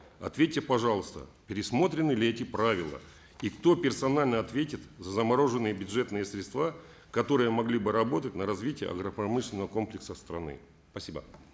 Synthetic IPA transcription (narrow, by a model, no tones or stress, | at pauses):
ɐ̰t̪vʲetʲːɪpɐʐɑlˠəst̪ə̰pʲɪɾʲɪsmo̞t̪ɾʲɪnːɨlʲɪɛtʲɪpɾavʲɪlˠə̰ | ikt̪o̞pʲɪrsɐnalʲnəɐt̪vʲetʲɪt̪zəzəmɐɾo̞ʐɨnːɨjəbʲʊʐɛt̪nɨjəsɾʲɪt̪st̪va | kɐt̪o̞ɾɨjəmɐɡlʲibɨɾɐbo̞t̪ətʲnəɾɐzvʲitʲɪjə̰ɐ̰ɡɾəpɾɐmɨʂlʲɪnəvəko̞mplʲɪksəst̪ɾɐ̰nɨ̰ | spɐsʲibə̰